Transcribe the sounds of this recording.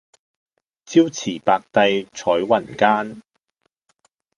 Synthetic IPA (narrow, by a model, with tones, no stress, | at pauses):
t͡siː˥wt͡sʰiː˨˩paː˧k̚t̪ɐ˧jt͡ʃʰɔː˨˥jwɐ˨˩nkaː˥n